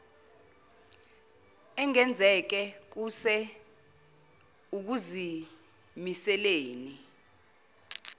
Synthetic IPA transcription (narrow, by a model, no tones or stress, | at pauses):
ɛŋɛnd͡zʱɛk̬ɛk̬usɛ | uk̬uzi | misɛleːni